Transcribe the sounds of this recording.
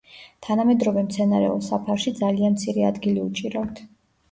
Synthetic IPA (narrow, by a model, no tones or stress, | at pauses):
t̪ʰanamɛd̪ɾɔvɛmt̪sʰɛnaɾɛ̰ɔsapʰaɾʃid̪zalianmt̪sʰiɾɛa̰d̪ɡiliut͡ʃʼiɾavt̪ʰ